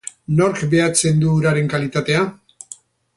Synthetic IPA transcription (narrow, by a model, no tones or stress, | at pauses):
no̞ɾkbe̞at͡se̞nd̪uɾaɾe̞ŋkalit̪at̪e̞a